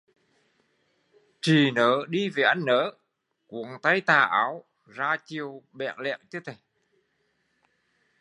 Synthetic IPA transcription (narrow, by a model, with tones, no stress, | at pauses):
t͡ɕi˨˩nəː˨˦ɗi˧ve˨˩ʔa˧jŋ̟nəː˧˩˦ | ku˨˩˦əŋt̪a˧˥jt̪aː˨˩ʔaː˨˦w | zaː˧t͡ɕi˨˩əwɓɛ̰˧˨nlɛ̰˧˨wt͡ɕɨ˧˦t̪ʰe˨˩